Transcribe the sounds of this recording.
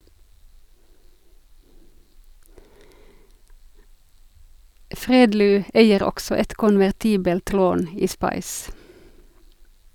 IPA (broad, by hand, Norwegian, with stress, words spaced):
ˈfʁeːdlyː ˈæɪəʁ ˈɔksɔ ˈɛt kʊnʋæʁˈtiːbəlt ˈloːn ˈiː ˈspɑɪs